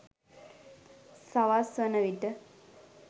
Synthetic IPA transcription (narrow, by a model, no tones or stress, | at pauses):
saʋasʋənəʋiʈə